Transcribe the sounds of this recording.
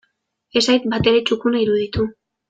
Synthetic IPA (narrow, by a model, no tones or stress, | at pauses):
e̞sajt̪̚bat̪e̞ɾe̞t͡ʃukunaiɾuðit̪u